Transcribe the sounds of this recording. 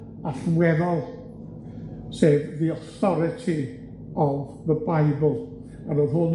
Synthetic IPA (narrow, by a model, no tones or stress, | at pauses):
aɬmwɛðɔlˠ | seːvðiɔθɔɾɪtʰi | ɔvðəbajblˠ | anɔɦʊn